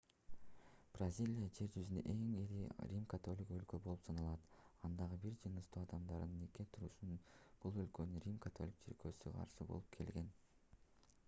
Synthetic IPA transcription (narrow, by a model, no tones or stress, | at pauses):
b̥rɐzʲilʲijad͡ʒe̞ɾd͡ʒyzynø̰ʔe̞ŋeɾiɾʲimkat̪o̞lʲikølkøbo̞lˠupsɑnɑlˠɑt̪ɑnd̪ɑʁɯbiɾd͡ʒɯnɯst̪ʰuɑd̪ɑmd̪ɑɾɯnɯneket̪ʰuɾuʃunb̥ulˠø̞lkønynɾʲimkat̪ʰo̞lʲik̚t͡ʃʰeɾkøsyqʰɑ̰ɾʃɯbolˠup̚kʰe̞̰lɡe̞n